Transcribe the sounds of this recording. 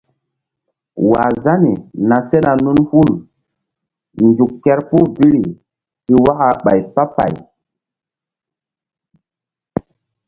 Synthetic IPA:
wa̰˨za˦ni˨na˨se˦na˨nu˦nhu˦l | nd͡ʒu˨kːɛ˦ɾpu˦bi˦ɾi˨ | si˦wa˦ka˨ɓa˨jpa˦pa̰˨j

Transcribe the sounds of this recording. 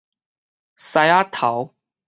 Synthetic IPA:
sa˧ja˦t̪ʰa˨˦w

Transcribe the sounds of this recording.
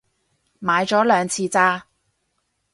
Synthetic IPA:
maː˨˧jt͡sɔː˨˥lœː˨˧ŋt͡sʰiː˧t͡saː˧

